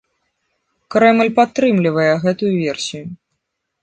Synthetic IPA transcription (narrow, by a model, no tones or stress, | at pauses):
kɾɛmɨlʲpat̪ːɾɨmlʲivɐjɛɣɛt̪ujuvʲɛrsʲiju